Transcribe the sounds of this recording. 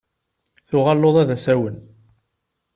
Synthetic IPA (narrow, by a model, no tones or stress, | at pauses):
θʊʁɑlːoðˤæðæsæwən